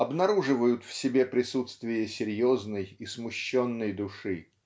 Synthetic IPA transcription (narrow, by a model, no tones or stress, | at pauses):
ɐbnɐɾuʐɨvəjʊt̪fsʲɪbʲe̞pɾʲɪsut̪st̪vʲɪjəsʲɪɾʲjoznəjismʊɕːonːəjd̪ʊʂɨ